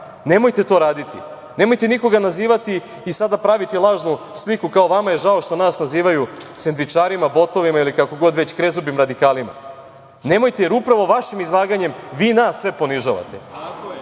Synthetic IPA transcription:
ne̞mo̞jt̪et̪o̞ːɾaːd̪it̪ḭ | nemo̞jt̪eniko̞ɡanaziːʋat̪iː | sad̪apɾaʋit̪ilˠaːʒnuslikukao̞ʋamajeʒao̞ʃt̪o̞naːsnaziːʋajusend̪ɾit͡ʃaːɾimabo̞t̪o̞ʋimailikako̞ɡo̞d̪ʋe̞t͡ɕkɾe̞zubimɾad̪ikaːlima̰ | ne̞mojt̪e̞jeɾupɾaʋo̞ʋaʃimizlˠaːɡaɲe̞mʋiːnaːsːʋe̞po̞niʒaʋa̰t̪ḛ

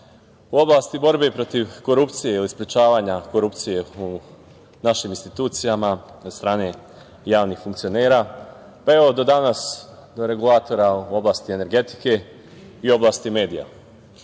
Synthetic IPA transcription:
uo̞blaːst̪ibo̞ɾbe̞pɾo̞t̪iʋko̞ɾupt̪sijeilispɾet͡ʃaːʋaːɲako̞ɾupt̪sije̞u | naʃiminst̪it̪uːt̪sijamaod̪st̪ɾaːne̞ | jaːʋnixfuŋkt̪sio̞ne̞ːɾaː | pae̞ʋo̞d̪o̞d̪anasd̪o̞ɾe̞ɡulˠaːt̪o̞ɾauo̞blˠaːst̪ie̞ne̞ɾɡe̞t̪i̥ke̞ | io̞blˠaːst̪ime̞ːd̪ija̰

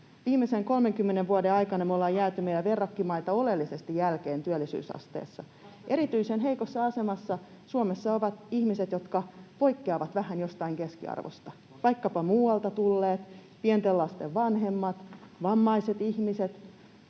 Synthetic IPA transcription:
ʋiːmeseŋko̞lmeŋkymːeneʋʋuodeɑjkɑnemolːɑjæːt̪ymejɑʋerːɑkːimɑit̪ɑo̞lelːisest̪ijælkeːnt̪yølːisy̰ːsɑ̰st̪ḛːsːɑ̰ | ʔe̞ɾit̪yisenɦeikosːɑɑse̞mɑsːɑ | suomesːɑoʋɑt̪ihmiset̪jot̪kɑpo̞ikːeɑʋɑt̪ʋæhænjost̪ɑiŋke̞skḭɑ̰rʋo̰st̪ɑ | ʋɑikːɑpɑmuːwɑlt̪ɑt̪ulːeːt̪pient̪elːɑst̪eʋʋɑnhemːɑt̪ʋɑmːɑiset̪ihmiset̪

